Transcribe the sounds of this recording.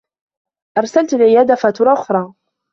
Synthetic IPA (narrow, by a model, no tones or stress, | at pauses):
ʔɑɾˤsalt̪alʕɪjaːd̪afat̪ʊɾˤɑːʔʊxɾˤɑː